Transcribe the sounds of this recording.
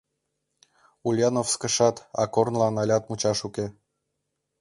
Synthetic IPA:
ulʲjɑnofskə̆ʃɑt̪ɑ̰kornlɑnɑlʲɑt̪mut͡ɕɑʃuke

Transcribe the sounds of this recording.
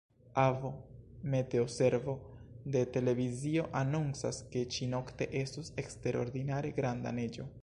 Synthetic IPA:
avome̞te̞ose̞ɾvo̞de̞te̞le̞vizio̞ʔanunt͡saske̞t͡ʃino̞kte̞ʔe̞stuse̞kste̞ɾo̞̰ɾd̪inaɾe̞ɡɾanda̰ne̞d͡ʒo̞

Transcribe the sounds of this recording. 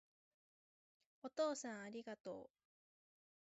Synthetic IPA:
o̞t̪o̞ːsãɰ̃aɾʲiɡat̪o̞̰ː

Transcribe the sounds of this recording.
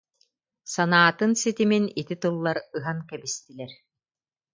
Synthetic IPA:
sanaːt̪ɯnsit̪iminit̪it̪ɯlˠːaɾɯɦaŋkɛbist̪ilɛɾ

